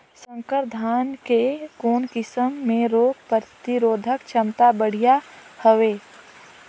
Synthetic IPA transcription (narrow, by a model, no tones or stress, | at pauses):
sə̃ŋkəɾd̪ʱaːnkekoːnkɪsəmːẽɾoːkpəɾt̪iɾoːd̪ʱəkt͡ʃʰəmt̪abəɽ̤ijahəʋeː